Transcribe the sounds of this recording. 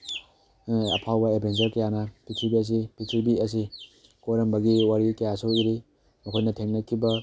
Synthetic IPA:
ɐ̰pʰawbɐebʱend͡ʒɐɾkɐjanɐpitʰubiɐs̬ipitʰubiɐs̬i | koɾɐmbɐɡiwaɾikɐjasuiɾi | mɐkʰojnɐtʰeŋnɐkʰibɐ

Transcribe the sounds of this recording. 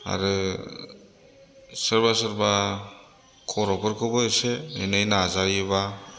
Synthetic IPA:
a̰ɾɯ | sɯɾbasɯɾba | kʰɔɾɔpɯɾkʰɯbɯseenajnaːzajɯba

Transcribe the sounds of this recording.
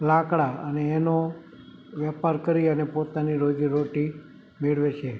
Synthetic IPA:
lãkɽaəneːno | ʋjɛpaɾkəɾiənepot̪aniɾoɡiɾoʈi | meɭʋet͡ʃʰe

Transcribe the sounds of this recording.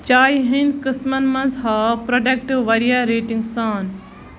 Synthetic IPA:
t͡ʃaːjɦĩnkɨsmɐnmɐ̃nzɦapɾoɖɐk̚ʈiʋʋɐɾijaɾeːʈiŋɡsaːn

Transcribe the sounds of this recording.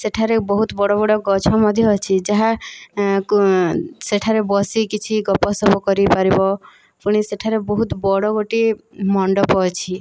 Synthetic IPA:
seʈʰaɾebɔɦut̪bɔɽɔbɔɽɔɡɔt͡ʃʰɔmɔd̪ʱjɔːt͡ʃʰid͡ʒaɦa | seʈʰaɾebɔsikit͡ʃʰiɡɔpɔsɔbɔkɔɾipaɾibɔ | puɽ̃iseʈʰaɾebɔɦut̪bɔɽɔɡoʈimɔɳɖɔpɔt͡ʃʰi

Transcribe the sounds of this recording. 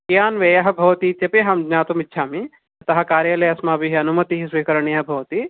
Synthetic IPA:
kjaːnʋɐjɐɦɐ̆bʱɐʋt̪it̪ɐpeɦɐmd͡ʒnaːt̪umitːʃʰaːmi | ɐt̪ɐɦɐ̆kaːɾjɐlɐjɐsmaːbiɦiɐnumɐt̪iɦisʋiːkɐɾɐɳijɐɦɐbʱɐʋɐt̪i

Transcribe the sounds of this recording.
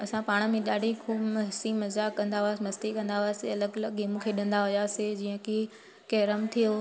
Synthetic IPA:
ɐsãpaːɽ̃ə̆mẽɗaːɖʱikʰuːbɦɪsimɐzakɐ̃nd̪aɦʊaːsɪmɐst̪ikɐ̃nd̪aɦʊaːseɐləɡləɡiːmũkʰeɗɪ̃nd̪aɦʊjaːsed͡ʑiːə̃ki | keːɾəmt̪ʰijo

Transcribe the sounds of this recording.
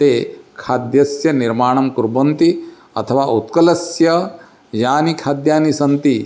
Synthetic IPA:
t̪eːkʰaːd̪jɐsjɐniɾmaːɳ̃ɐmkuɾbɐnt̪i | ɐ̰t̪ʰɐʋaːʔut̪kɐlɐsjɐ | jaːnikʰaːd̪jaːnisɐnt̪i

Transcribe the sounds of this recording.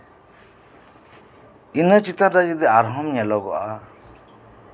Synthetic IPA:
inət͡ʃit̪aɾdad͡ʒid̪ɛaɾɦɔmɲɛlɔɡɔ̰ʔa

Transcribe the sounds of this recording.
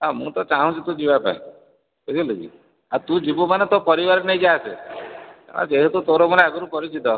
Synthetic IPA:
amũt̪ɔt͡ʃaɦũt͡ʃʰit̪ũd͡ʒibapa̰ĩ | ked͡ʒ̪ilud͡ʒḭ | at̪ũd͡ʒibumanet̪opɔɾibaɾnejd͡ʒase | a̰ma̰t͡ʃeɦit̪ut̪oɾomaneaɡɔɾupɔɾit͡ʃit̪ɔ

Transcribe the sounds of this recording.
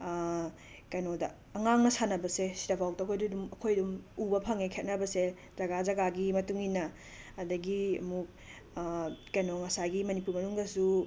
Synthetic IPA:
kɐjnodɐ̰ | ɐŋaŋnɐsanɐbɐsesi̥ɾabʰʱawk̚tɐkʰojdudumɐkʰojdumubɐpʰɐŋekʰet̚nɐbɐse | zɐɡad͡ʒɐɡaɡimɐtuŋinɐ | ɐdɐɡiɐ̰muk̚ | kɐjnoŋɐsaɡimɐnipuɾmɐnuŋdɐsu

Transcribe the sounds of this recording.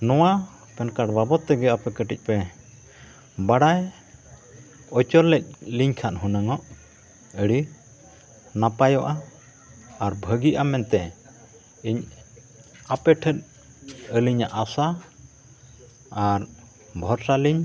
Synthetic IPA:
nɔwa | pɛnkaʈbabɔt̪ːɛɡɛapɛkəʈic̚ˀpɛ | baɽaj | ɔt͡ʃɔllɛc̚liɲkʰanɦunəŋɔʔ | əɽi | napajɔʔaː | ɾbʱəɡiʔamɛnt̪ɛ | iɲ | apɛʈʰət̪̚ | əliɲaʔasa | aɾ | bʱɔɾsaliɲ

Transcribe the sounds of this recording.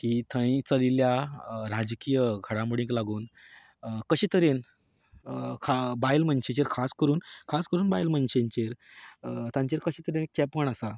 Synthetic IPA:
kiːt̪ʰə̃j̃t͡səliljaɾad͡ʑkijəɡʱəɽãmuɽĩŋklaɡuːn | kəɕit̪əɾen | kʰabajlməɳɕẽt͡ɕeɾkʰaskəɾuːnkʰaskəɾuːnbajlməɳt͡ɕeɲt͡ɕeɾ | t̪ãɲt͡ɕeɾkəɕit̪əɾenkɛpəɳasa

